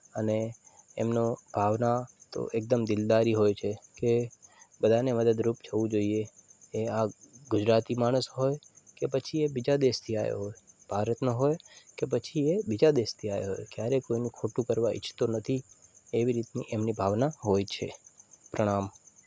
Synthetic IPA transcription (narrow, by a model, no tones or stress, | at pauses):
ənḛːmnõb̥ʱaʋnat̪o̰ʔek̚d̪əmd̪ɪld̪aɾiɦojt͡ʃʰekebəd̪ʱaneməd̪əd̪ɾupd͡ʒʱəʋũd͡ʒoieeaɡʊd͡ʒɾat̪imaɽ̃əsɦojkepət͡ʃʰiebid͡ʒad̪eʃt̪ʰiajo̰ɦojbʱaɾət̪noɦojkep̬ət͡ʃʰiebid͡ʒad̪est̪ʰiaj̰ɦo̰jkjaɾekoinũkʰoʈũkəɾʋaʔɪ̰t͡ʃʰt̪onət̪ʰieʋiɾit̪niʔemnibʱaʋnaɦojt͡ʃʰḛpɾəɽ̃am